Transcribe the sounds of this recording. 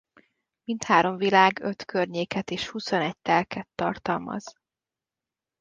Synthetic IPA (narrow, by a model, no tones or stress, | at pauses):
mint̪haːɾo̞ɱvilaːɡø̞t̪kʰørɲeːkɛt̪eːʃhuso̞nɛɟ̚t̪ɛlkɛt̪ːɒrt̪ɒlmɒ̰z̥